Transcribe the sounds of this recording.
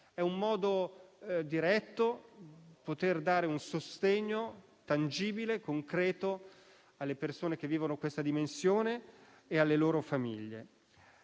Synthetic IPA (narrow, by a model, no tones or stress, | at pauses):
ɛumːɔːd̪o | d̪iɾɛt̪ːo | pot̪erd̪aːɾeunsost̪eɲːo | t̪and͡ʒiːbilekoŋkɾɛːt̪o | alːepersoːnek̟evːiːvonokwest̪ad̪imensjoːneː | alːeloːɾofamḭʎːḛ